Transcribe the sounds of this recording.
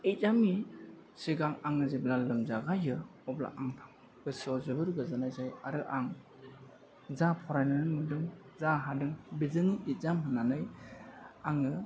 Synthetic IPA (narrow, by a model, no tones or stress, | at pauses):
ezamisiɡaŋaŋɯziblalɯmzaɡajɯɔbla̰ʔaŋtʰaŋ | ɡ̥ɯsiɔzɯbɯɾɡɯzanajzajaɾɯʔaŋ | zapʰɔɾajnɯnɯmɯdɯŋ | zaɦadɯŋbizɯŋiit̚zamɦɯnːanɯj | aŋɯ